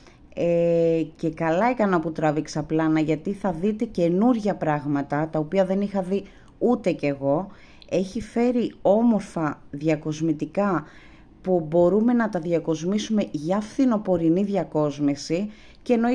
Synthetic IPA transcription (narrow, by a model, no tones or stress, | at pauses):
ece̞kɐlɐekɐnɐput̪ɾɐviksɐplɐnɐʝɐt̪iθɐðit̪e̞ce̞nuɾʝɐpɾɐɣmɐt̪ɐt̪ɐo̞piɐðe̞nixɐði | ut̪e̞ce̞ɣo̞ | e̞çife̞ɾio̞mo̞ɾfɐðʝɐko̞zmit̪ikɐ | pubo̞ɾume̞nɐt̪ɐðiɐko̞zmisume̞ʝɐfθino̞po̞ɾiniðʝɐko̞zmisi | ceeno̞